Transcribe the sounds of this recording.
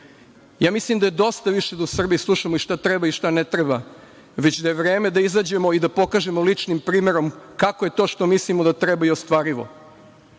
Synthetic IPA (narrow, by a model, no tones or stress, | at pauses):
jaːmislimd̪ajed̪o̞st̪aʋiʃe̞d̪ausr̩bijislˠuʃamoiʃt̪at̪ɾebaiʃt̪anet̪ɾeba | ʋe̞t͡ɕd̪aje̞ʋɾe̞ːme̞d̪aizaːd͡ʑe̞mo̞id̪apo̞kaːʒe̞molit͡ʂnimpɾiːme̞ɾo̞mkakoje̞t̪o̞ːʃt̪o̞mislimod̪at̪ɾɛbaiost̪ʋaːɾiʋo̰